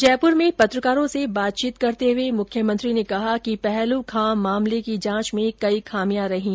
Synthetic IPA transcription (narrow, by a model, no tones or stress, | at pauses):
d͡ʒɛːpʊɾmẽpɐt̪ɾəkaːɾõsebaːt̪̚t͡ʃiːt̪kɐɾt̪eɦʊemʊkʰjəmɐ̃nt̪ɾinekɐɦakipɛɦlõkʰãːaːmlekid͡ʒãːt͡ʃmẽkɐikʰaːmijãɾɐɦĩː